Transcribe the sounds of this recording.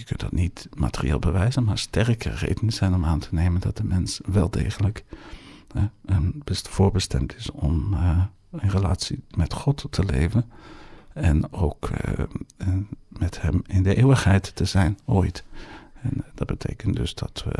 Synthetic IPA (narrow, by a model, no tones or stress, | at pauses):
jəkɵntdɑ̰tnitma̰ːtərḭḛːlˠbəʋɛjzənmaːɹstɛrkʰə̰rḛjdənəzɛjnɔmaːntʰənejməndɑt̚dəmɛnsʋɛlˠdejχənlək | bəv̥ʊːɹbəstɛmtʰɪsɔm | ənrela̰ːtsimɛtχɔtːəlḛjvən | ɛnowk | mɛthɛmɪndəʔeːwəχɦɛjtːəzɛjnʔoːjtɛndɑd̚b̥ətʰejkəntdʏ̰zd̥ɑ̰tʋə̰